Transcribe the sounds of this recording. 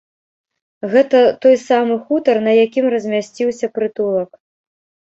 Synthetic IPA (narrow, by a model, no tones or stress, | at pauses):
ɣɛt̪ɐt̪ɔjsamɨxut̪ɐrnɐjakʲimrɐzʲmʲasʲt͡sʲiwsʲɐpɾɨt̪ulˠɐk